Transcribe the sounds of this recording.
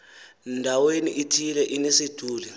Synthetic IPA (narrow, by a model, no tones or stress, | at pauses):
ndʱaweniʔitʰilɛʔinesid̥ʱuːli